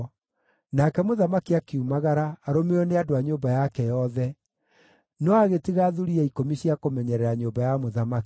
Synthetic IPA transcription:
nakɛmoðamakiakeumaɣaɾaːɾomeɔneadoaɲoːbajakɛjɔðɛ | nɔaɣetiɣaːðuɾiaikomiɕiakomɛɲɛɾɛɾaɲoːbajamoðamaki̥

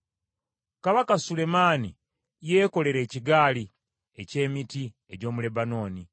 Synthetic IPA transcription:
kaβakasule̞maːni | je̞ːko̞le̞ɾe̞ːciɡaːli | e̞ce̞ːmiti | e̞ɟo̞ːmule̞bano̞ːni

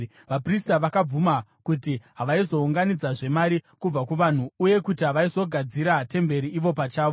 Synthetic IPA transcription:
ʋapristaʋakab͡vumakutiɦaʋaizo̞uŋɡanid͡zaʐe̞maɾikub͡vakuʋan̤uːje̞kutiɦaʋaizo̞ɡʱad͡ziɾate̞mbe̞ɾiiʋo̞pat͡ʃaːʋo

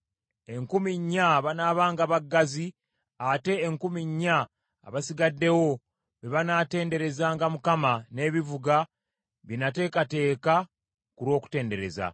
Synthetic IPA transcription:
e̞ŋkumiɲːaβanaːβaːŋɡaβaɡːazi | ate̞ːŋkumiɲːa̰ː | βasiɡadːe̞wo̞ | βeβanaːte̞ːnde̞ɾe̞zaːŋɡamukamane̞ːβivuɡa | βinate̞ːkate̞ːka | kuɾwo̞ːku̥te̞ːnde̞ɾe̞̰za̰

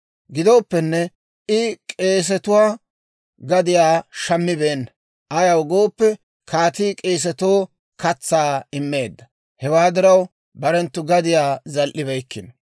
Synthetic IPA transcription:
ɡɪd̪oːpːɛnːɛ | ɪkʼe̞ːs̬ɛt̪ʊwaː | ɡɐd̪ɪjaːʃɐmːɪbeːnːɐ | ʔɐjɐwɡo̞ːpːɛ | kʰaːt̪iːkʼe̞ːs̬ɛt̪oː | kɐt͡sːaːɪmːe̞ːd̪ːɐ | hɛwaːd̪ɪɾɐw | bɐɾɛnt̪ːʊɡɐd̪ɪjaːzɐlʔɪβɛjkːɪn

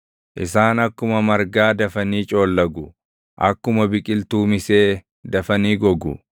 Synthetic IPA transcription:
ʔɪsaːnɐkːʊmɐmɐɾɡaːd̪ɐfɐniːt͡ʃʼo̞ːlːɐɡʊ | ʔɐ̰kːʊmɐbɪkʼɪlt̪uːmɪseː | d̪ɐfɐniːɡɔɡʊ̰

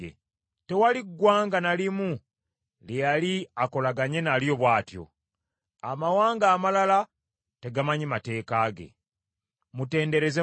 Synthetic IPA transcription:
ḛ | te̞waliɡːwaːŋɡanalimu | lejaliako̞laɡaɲe̞naːljo̞βwaːtjo̞̰ | amawaːŋɡaːmalala | te̞ɡamaɲimate̞ːkaːɡe̞̰ | mute̞ːnde̞ɾe̞ze

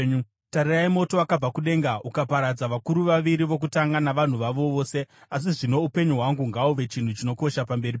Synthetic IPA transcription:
taɾiraimo̞to̞akab͡vakuɗe̞ŋɡaukapaɾad͡zaʋakuɾuʋaʋiɾiʋo̞k̬utaŋɡanaʋan̤uʋaʋo̞ʋoːse̞as̬iʐino̞upe̞ɲuɦwaŋɡuŋɡauʋe̞t͡ʃin̤ut͡ʃino̞ko̞ʃapambe̞rip

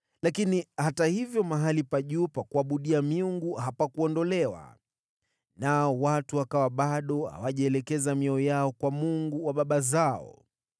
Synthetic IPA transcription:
lakinihatahivjɔmaɦalipaʄuːpakuaɓuɗiamiuŋɡuhapakuɔndɔlɛwa̰ | naɔwatuakawaɓaɗɔha̰waʄaɛlɛkɛzamiɔjaɔkwamuŋɡuwaɓaɓazaɔ̰

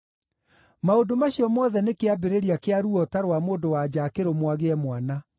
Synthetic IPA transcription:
maondomaɕiɔmɔðɛnekeabeɾeɾiakeaɾuɔtaɾwamoːndowad͡ʑakeɾomwaɣeɛmwana

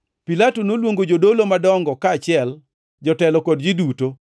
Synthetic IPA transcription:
pilatonolwoŋɡod͡ʒodolomadɔŋɡɔkaːt͡ʃɪɛl | d͡ʒɔtɛlɔkod̚d͡ʒiduto

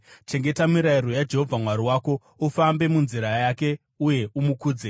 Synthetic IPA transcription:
t͡ʃe̞ŋɡe̞tamiɾairojad͡ʒe̞ɦo̞vʱamwaɾiwaːko̞ | ufambe̞munziɾajake̞ | uje̞umukuːd͡ze

